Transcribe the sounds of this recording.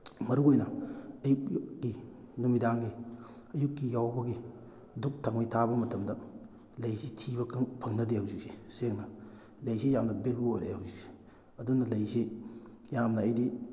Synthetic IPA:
mɐɾuojnɐɐjuk̚ːinumidaŋɡi | ɐjukːijawbɐɡi | duk̚tʰaŋmɐjtʰabɐmɐtʰɐmdɐ | lɐjsitʰibɐkʰŋpʰɐŋnɐdehɐwzik̚siseŋnɐ | lɐjsijamnɐbelbuojɾehɐwzik̚si̥ | ɐdunɐlɐjsi | jamnɐːjdi

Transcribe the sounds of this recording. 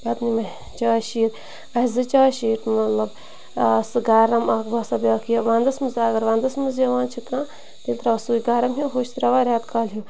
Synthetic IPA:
bɐt̪nimɐ | t͡ʃaːʃiːɾ | ɐzɨt͡ʃaːʃiːʈmɐt̪lɐb | sɨɡaːɾɐmɐkbɐsɐbʲaːkʰijɐʋãːnd̪ɐsmɨzaːɡɐɾʋãːnd̪ɐsmɨzjɐʋaːnt͡ʃʰikãː | t̪int̪ɾɐʋɐsuːɡaːɾɐmɦiɦoːʃt̪ɾɐʋaːɾʲjaːd̪kʰaːlɦu

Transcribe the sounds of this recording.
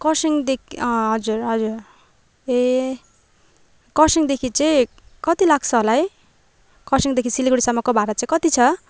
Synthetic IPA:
kʌsiŋd̪ekʌɦʌd͡zurɦʌd͡zur | e | kʌsiŋd̪ekʰit͡sʌĩ | kʌt̪ilaɡt͡sʰʌɦolaj | kʌsiŋd̪ekʰisiliɡuɽisamːʌkobʱaɾat͡saĩkʌt̪it͡sʰʌ

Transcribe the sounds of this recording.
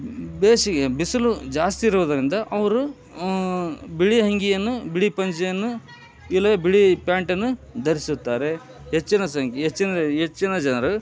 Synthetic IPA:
beːʂiɡebisɐlud͡ʒaːst̪iːɾuʋud̪ɐɾind̪ɐʔɐʋɐɾu | biɭiɦɐŋɡijɐnːubiɭipɐɲt͡ʃɐjɐnːu | ilɐbiɭipjaːɳʈɐnːud̪ʱɐɾisut̪ːaːɾe̞ | ɦet͡ʃːinɐsɐŋkʰiɦet͡ʃːinɐɦet͡ʃːinɐd͡ʒɐnɐɾu

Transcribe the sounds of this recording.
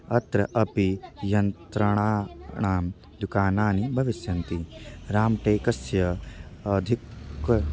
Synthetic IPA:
ɐt̪ɾɐʔɐpijɐnt̪ɾɐɳaːɳaːm | d̪ukaːnaːnibʱɐʋisjɐnt̪iɾaːmʈeːkɐsjɐɐd̪ʱik

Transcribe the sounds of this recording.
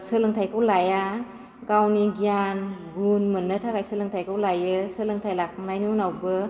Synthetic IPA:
sɯlɯŋtʰajkʰɯwlaja | ɡawniɡijanɡunmɯnːɯtʰakajsɯlɯŋtʰajkʰawlajɯsɯlɯŋtʰajlakʰaŋlajnɯunawbɯ

